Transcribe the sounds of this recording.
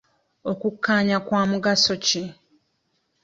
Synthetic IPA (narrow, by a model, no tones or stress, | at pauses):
okukːaːɲakwaːmuɡaso̞ci